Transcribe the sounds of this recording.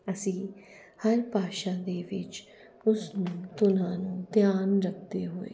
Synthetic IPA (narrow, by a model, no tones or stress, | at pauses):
əsĩː | həɾpaːʃãːd̪eːʋɪt͡ʃ | ʊsnũːt̪ʊnãːnũːd̪jaːnɾək̚ʰd̪eːɦoːḛː